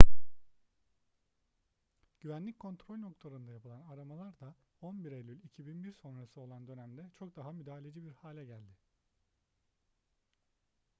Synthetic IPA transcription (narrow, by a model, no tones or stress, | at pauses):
ɟ̥yvænlʲickʰo̞nt̪ʰɾolʲno̞klˠaɾɯnd̪ajapʰɯlˠanaɾamalˠaɾd̪a | o̞nbiɾelʲylʲicʰibinbiɾso̞nɾasɯo̞lˠand̪ø̞næmd̪ɛt͡ʃʰo̞k̚d̪aɦamyd̪aːalʲe̞d͡ʒibiɾhaːlʲɛɟælʲd̪ɪ